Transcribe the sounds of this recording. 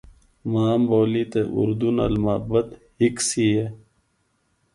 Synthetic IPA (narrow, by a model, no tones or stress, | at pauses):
maːmboːlit̪eʔṵɾd̪unɐ̰lmɐəbɐt̪hiksie